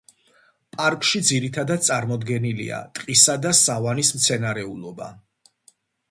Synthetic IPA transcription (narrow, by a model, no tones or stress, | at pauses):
pʼaɾkʼʃid̪ziɾit̪ʰad̪ad̪̚sʼaɾmɔd̪ɡɛnilḭa̰t̪ʼqʼisad̪asavanismt̪sʰɛnaɾɛulˠɔba̰